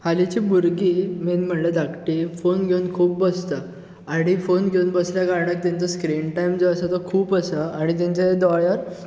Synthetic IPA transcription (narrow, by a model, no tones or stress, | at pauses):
halit͡ɕibuɾɡiːmenm̤əɳled̪akʈifonɡʱeunkʰuːp̚bəst̪aː | ɽ̃ifonɡʱeunbəsljakaɾɳək̚t̪ɛ̃nt͡səskɾiɳʈaimd͡zoəsat̪ɔkʰuːpəsaaɽ̃it̪̬ɛ̃ɲt͡ɕaed̪ɔɭjəɾ